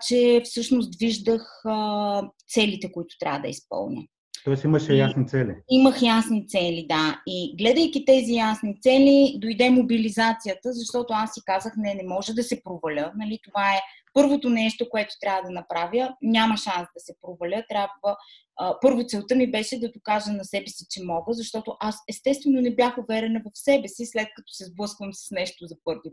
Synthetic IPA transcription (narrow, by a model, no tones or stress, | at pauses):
t͡ʃɛfsɤʃnosd̪viʒd̪əxət̪sɛlit̪ɛkoit̪ʊ̥t̪ɾʲa̰vəd̪ɐ̰ispɤ̰lˠnʲə̰ | t̪ɔɛsiməʃɛjasnit̪sɛlḭiməxjasnit̪sɛlid̪aiɡlɛd̪əjkit̪ɛzijasnit̪sɛlid̪ojd̪ɛmobilizat̪sijət̪əzɐʃt̪ɔt̪oasːikazəxnɛnɛmɔʒɛd̪ɐsɛpɾovɐlʲənɐlit̪ovaɛ | pɤɾvot̪onɛʃt̪okoɛt̪o̥t̪ɾʲavəd̪ɐnɐpɾavjəɲʲaməʃansd̪ɐsɛpɾovɐlʲət̪ɾʲabvə | pɤɾvot̪sɛlˠt̪ɤmibɛʃɛd̪ɐd̪okaʒənɐsɛbɛsit͡ʃɛmɔɡəzɐʃt̪ɔt̪oʔasɛst̪ɛst̪vɛnonɛbjaxovɛɾɛnɐvɐfsɛbɛsislɛt̪̚kɐt̪ɔ̥sɛzblˠɤskvəmsɐ̥snɛʃt̪ozɐpɤɾvi